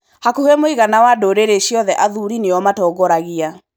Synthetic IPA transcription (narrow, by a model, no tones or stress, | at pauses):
hakuhemoiɣanawadoɾeɾeɕjɔðɛʔaðuɾineɔmatɔːɡɔɾaɣia